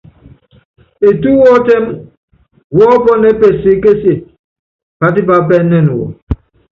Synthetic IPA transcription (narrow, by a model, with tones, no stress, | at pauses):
e˨tu˦wɔ˦tɛ˦m | wɔː˦pɔ˦nɛ˦pe˨si˨˦ke˦si˨ | pa˦t̬i˦pa˨˦p̬ɛ˦nɛ˦˨nu˨wɔ̰˨